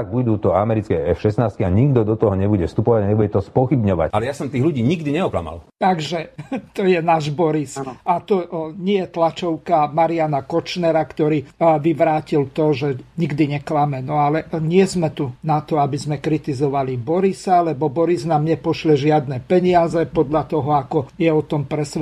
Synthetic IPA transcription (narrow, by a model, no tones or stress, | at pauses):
aɡ̚bud̪uːt̪ɔamɛɾit͡skɛɛfʃɛsnaːst̪̚kiaɲiɡd̪ɔd̪ɔt̪ɔɦɔɲɛbuɟɛfst̪upɔʋaɟaɲɛbuɟɛt̪ɔspɔxibɲɔʋa̰alɛjasɔmt̪iːɣluɟiːɲiɡd̪iɲɛɔkla̰ma̰lt̪aɡʒɛt̪ɔjɛnaːʒbɔɾisat̪ɔɲɪɛjɛt̪lat͡ʃɔʊkamaɾianakɔt͡ʃnɛɾakt̪ɔɾiːʋiʋɾaːcilt̪ɔʒɛɲiɡd̪iɲɛklamɛnɔalɛɲɪɛzmɛt̪unat̪ɔabizmɛkɾit̪izɔʋalibɔɾisalɛbɔbɔɾiznaːmɲɛpɔʃlɛʒɪad̪nɛpɛɲɪazɛpɔd̪ʎat̪ɔɦɔakɔjɛɔt̪ɔmpɾɛsʋɛ